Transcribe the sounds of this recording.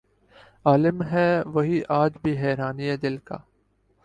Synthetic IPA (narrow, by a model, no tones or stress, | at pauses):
aːlɪmɦɛʋɐɦiʔaːd͡ʒbʱiɦɛːɾaːniɛd̪ɪlka̰ː